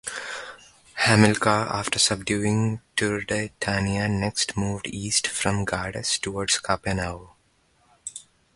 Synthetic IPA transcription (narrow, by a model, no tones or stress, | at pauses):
hæmɪlkaːa̰ːfʈəɾsʌb̚ɖjuːɪ̃ŋʈud̪əʈʰaniəneksʈmuːʋɖiːsʈfɾɔ̃mɡaːɖḛsʈuʋɔːɖskʰaːpẽnaʊ